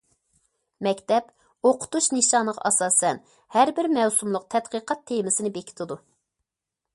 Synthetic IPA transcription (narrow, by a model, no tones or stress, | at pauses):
mɛkʲt̪ɛp | oqʰʊ̥t̪uʃnɨʃɑnəʁɑ̰ʔɑsɑːsɛn | hæɾbɪɾmɛwsumlˠʊq̚t̪ʰɛt̪qəqʰɑt̪ʰːemɪsɪnɪbekʲʰi̥t̪ʰɪd̪u